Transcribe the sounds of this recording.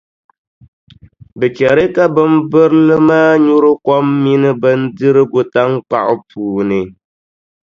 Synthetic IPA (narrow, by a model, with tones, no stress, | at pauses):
bɨ˨t͡ʃɛ˨ɾɨ˦ka˦bɨ˦m̩˦bɨ˦ɾlɨ˦maː˦ɲu˦ɾɨ˦kɔ˦mːi˦nɨ˦bɨ˦n̩˦dɨ˦ɾɨ˦ɡu˦ta˦ŋ̩˦ka̰˦˨ʔʊ˦pʰuː˨nɨ˨